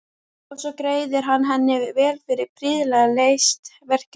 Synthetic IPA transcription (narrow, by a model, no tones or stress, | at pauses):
ɔsɔkɾeːjðɪɾɦanːɦɛnːɪvɛːlfɪɾɪɾpɾiːðlaɣlejst̪vɛr̥c